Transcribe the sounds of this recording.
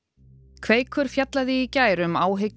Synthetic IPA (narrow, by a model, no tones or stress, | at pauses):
kʰv̥eːjkʰvœɾ̥fjat̪laðɪːcaːjɾʏmaːwɦe